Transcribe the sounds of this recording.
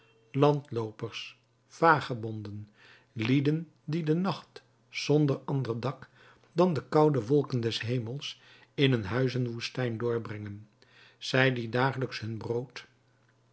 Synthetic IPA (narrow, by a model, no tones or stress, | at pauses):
lɑntlowpəɹs | faːχəbɔndən | lidən | didənɑχt | z̥ɔndəɹɑndərdɑk | dɑndəkɑwdəʋɔlˠkəndɛsɦejməlˠs | ɪnənɦœɥzənʋustɛjndʊːɹbrɛŋən | z̥ɛjdidaːχələksɦɵnbrowt